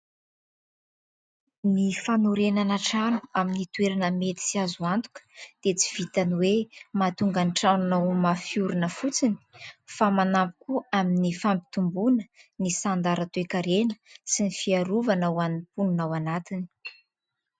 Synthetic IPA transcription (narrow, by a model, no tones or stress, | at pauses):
mifanuɾenanaʈ͡ʂanu̥aminit̪weɾanəmet̪i̥siazuant̪u̥kə̥d̪̥et͡si̥v̥it̪aniwemat̪uŋɡanʈ͡ʂanunawmafiuɾunəfut͡sini̥famanampu̥kuaminifampi̥t̪umbunə̥nisand̪aɾat̪oekaɾenə̥sinifiaɾuvanawanipunnawanat̪ini̥